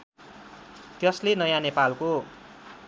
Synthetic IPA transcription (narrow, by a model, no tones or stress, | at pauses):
d̪̥jʌslinʌjanepalku